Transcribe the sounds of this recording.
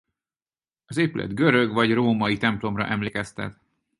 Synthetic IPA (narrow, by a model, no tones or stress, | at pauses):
ɒzeːpylʔɛ̰d̪ɡø̞ɾøɡvɒɟroːmɒjit̪ɛmplo̞mrɒ̰ʔɛmleːkɛst̪ɛ̰t̪